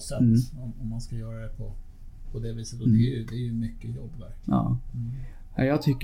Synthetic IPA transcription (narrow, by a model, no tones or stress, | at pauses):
sɛt̪ːɔɔmːɑnskɑjøːɾəd̪ɛpʰɔ | pʰɔd̪ɛːʋiːsət̪ɔiʉd̪ɛæjʉmʏkːəjɔbːʋæɾɑ̰ː | ajæt̪ʰʏkː